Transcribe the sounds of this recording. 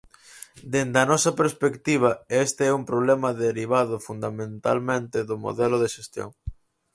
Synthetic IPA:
d̪end̪ɐnɔsɐpeɾspekt̪iβ̞ɐest̪eɛumpɾoβlɛmɐðeɾiβ̞aðʊfund̪amẽnt̪a̰lmẽnt̪ɪðʊmo̰ðɛlʊðeʃest̪jo̰ŋ

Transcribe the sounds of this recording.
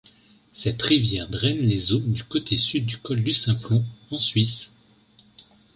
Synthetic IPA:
sɛt̪ʁivjɛʁd̪ʁɛnlezod̪ykot̪ʰesyd̪̚ːykɔld̪ysɛ̃plɔ̃ɑ̃sɥis

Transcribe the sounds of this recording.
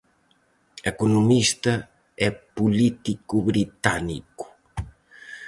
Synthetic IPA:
ekunumist̪ɐ | ɛpulit̪ikuβɾit̪anḭku̥

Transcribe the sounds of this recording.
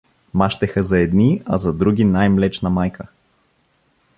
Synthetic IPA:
maʃt̪ɛxəzɐɛd̪niɐ̰zɐd̪ɾuɡ̟ʲinajmlɛt͡ʃnɐmajkʰə

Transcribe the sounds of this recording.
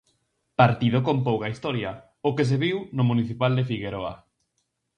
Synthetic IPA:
paɾt̪iðʊkompowkaist̪ɔɾjɐ | ʊkes̬eβiwnʊmuniθipald̪efiɣeɾoa̰

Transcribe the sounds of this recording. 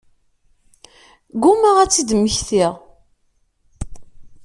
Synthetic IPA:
ɡuməʁæt͡sːid̪əmːəçθiʁ

